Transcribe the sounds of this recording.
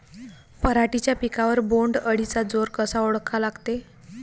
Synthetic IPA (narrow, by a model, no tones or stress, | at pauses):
pəɾaʈit͡ɕjapikaʋəɾboɳɖəɽit͡sad͡zoɾkəsauɽkʰalaɡt̪e